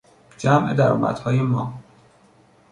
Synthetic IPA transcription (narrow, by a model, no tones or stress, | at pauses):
d͡ʒæmʔed̪æɾɒ̰ːmʔæ̰d̪̥hɒːjemɒː